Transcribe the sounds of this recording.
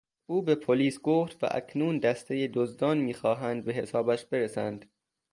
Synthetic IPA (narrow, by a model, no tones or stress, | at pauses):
ʔuːbepʰoliːsɡoft̪væ̰ʔæ̰cʰnuːnd̪æst̪ʰe̞jed̪ozd̪ɒːnmiːxɒːɦænd̪̚be̞ɦe̞sɒːbæʃbe̞ɾesænd̪̥